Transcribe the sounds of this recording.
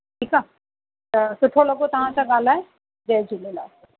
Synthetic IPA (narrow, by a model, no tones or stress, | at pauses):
ʈʰiːka | sʊʈʰolɐɡot̪ɐɦãsaɡaːlaɦɛ | d͡ʒeːd͡ʒulela̰ːs